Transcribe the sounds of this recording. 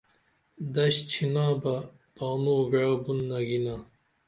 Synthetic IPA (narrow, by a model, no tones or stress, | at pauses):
d̪ɐɕt͡ɕʰinãːbɐ | b̥aːmoːɡɐɻabunːɐɡinaː